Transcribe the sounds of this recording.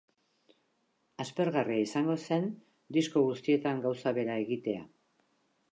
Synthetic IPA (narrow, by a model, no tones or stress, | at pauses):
aspe̞ɾɣariaisaŋɡo̞se̞n | d̪isko̞ɣust̪ie̞t̪aŋɡawsaβe̞ɾae̞ɣit̪e̞a